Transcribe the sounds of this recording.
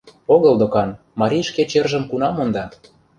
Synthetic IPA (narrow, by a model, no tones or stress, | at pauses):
oɣɤ̆ld̪okɑn | mɑɾʲiʃket͡ɕerʒə̆mkunɑmond̪ɑ